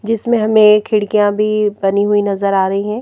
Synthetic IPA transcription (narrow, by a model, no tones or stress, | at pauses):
d͡ʒɪsmẽɦɐmẽkʰɪɽkijãbʱibɐniɦuinɐzəɾaːɾɐɦiɦɛ̃ː